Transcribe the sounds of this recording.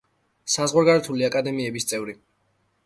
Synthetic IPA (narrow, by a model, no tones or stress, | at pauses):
sazʁwaɾɡaɾɛt̪ʰuliakʼad̪ɛmiɛbist̪sʼɛvɾi